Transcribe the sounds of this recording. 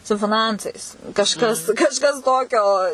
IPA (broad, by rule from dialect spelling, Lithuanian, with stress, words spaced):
sʊ fʲɪˈnɐnt͡sɐɪs kɐʃˈkɐs kɐʃˈkɐs ˈtoːkʲoː